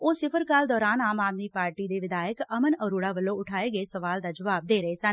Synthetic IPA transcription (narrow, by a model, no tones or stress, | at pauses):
oːsɪpʰəɾkaːld̪ɔːɾaːnaːmaːd̪miːpaːɾʈiːd̪eːʋɪd̪aːəkəmənəɾuːɽaːʋəlːõːʊʈʰaːeːɡəeːsəʋaːld̪aːd͡ʒəʋaːb̚d̪eːɾəeːsən